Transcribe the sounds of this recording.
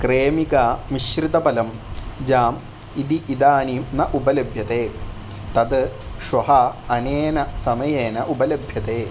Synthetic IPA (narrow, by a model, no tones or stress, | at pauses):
kɾeːmikaʋiɕrit̪ɐbɐlɐmd͡ʑaːm | id̪iʔːd̪aːninɐʔubɐlɐbʱjɐt̪eː | t̪ɐd̪ɨʂwɐɦɐːneːnɐsɐmɐjeːnɐʔubɐlɐbʱjɐt̪eː